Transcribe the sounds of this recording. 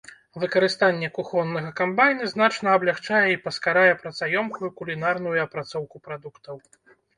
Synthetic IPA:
vɨkɐɾɨst̪anʲːɛkuxɔnːɐɣɐkambajnɨznat͡ʂnɐːblʲaxt͡ʂajɛipɐskaɾajɛpɾɐt̪sajɔmkujukulʲinarn̪ujuɐpɾat̪sɔwkupɾad̪ukt̪ʰɐw

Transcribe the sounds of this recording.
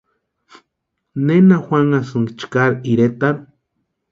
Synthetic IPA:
nenaxʷaŋasɨŋɡt͡ʃkaɾiɾet̪aɾ

